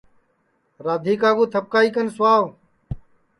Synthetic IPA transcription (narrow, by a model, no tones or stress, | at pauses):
ɾaːd̪ʱiːkaːɡuːt̪ʰəp̚kaːiːkənsʊaːʋ